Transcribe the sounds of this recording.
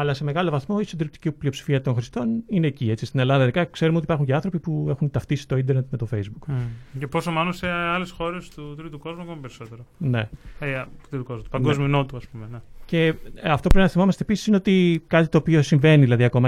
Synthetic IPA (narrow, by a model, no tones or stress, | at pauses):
ɐlɐse̞me̞ɣɐlo̞vɐθmo̞isotd̪iɾip̚t̪i̥cipliopsi̥fiɐt̪o̞nxɾist̪o̞nine̞ːcie̞t͡si̥st̪ine̞lɐnðɐðeðikɐkse̞ɾumeo̞ipɐɾxuɲceɐnθɾo̞pipue̞xunt̪ɐft̪isi̥t̪oind̪eɾnet̪me̞t̪o̞fe̞jzbukceposomɐnuseɐlesxo̞ɾe̞st̪ut̪ɾit̪uko̞zmuɐkomɐpeɾiso̞t̪eɾone̞et̪ɾit̪ukozmut̪pɐɡozminot̪uɐspumenece̞ɐft̪opɾepinɐθimo̞mɐst̪episi̥sineo̞t̪ikɐt̪it̪o̞ːpiosiɱve̞niðilɐðiɐko̞mɐ